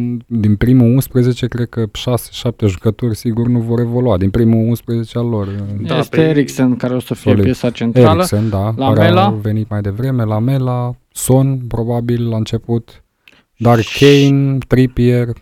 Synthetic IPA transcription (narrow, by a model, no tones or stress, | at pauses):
d̪inpɾimuunspɾeze̞t͡ʃe̞kɾed̪̚kəʃase̥ʃap̚t̪e̞ʒukət̪orʲsiɡurʲnuvo̞ɾe̞vo̞luad̪inpɾimuunspɾeze̞t͡ʃealo̞reseeɾiksenkaɾeosəfiolipjesat͡ʃent̪eɾailəksond̪aaɾelave̞nit̪majd̪e̞vɾe̞me̞lame̞la | so̞npɾo̞babillaɨnt͡ʃe̞put̪ | d̪arkʰejnt̪ɾipier